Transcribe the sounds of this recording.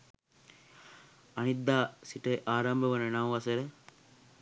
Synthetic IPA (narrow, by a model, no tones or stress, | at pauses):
ɐnid̪ːaːsiʈeʔaːɾɐmbʱɐʋɐnɐnɐʋʋɐseɾe